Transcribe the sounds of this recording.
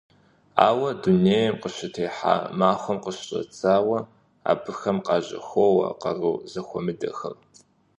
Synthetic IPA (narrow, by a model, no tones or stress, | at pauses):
a̰ːwɐduneːjɛmqəɕɪtʰeːħa̰ːmaːxʷɔmqəɕɕʼɐ̰t͡sʰaːwɐ | a̰ːbɨxɐmqɑːʑʼɐ̰xʷowɐ̰qɐruːzɐxʷɔmɨdɐ̰xɐ̰rtʰʼ